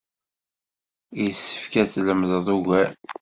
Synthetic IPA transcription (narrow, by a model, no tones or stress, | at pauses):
jsːə̥fkæt͡sːləmðˤðˤuɣʷæ